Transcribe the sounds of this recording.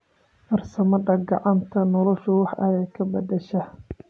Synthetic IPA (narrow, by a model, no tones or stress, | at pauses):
fɐrsɐmɐðɐɡɑʕɑnt̪ʰɐnɔlɔʃʊwɑħʔɐjɛkʰɐbɐd̪ɛʃɐ